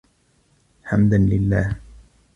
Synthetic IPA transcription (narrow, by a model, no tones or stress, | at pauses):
ħamd̪anlɪlːaːh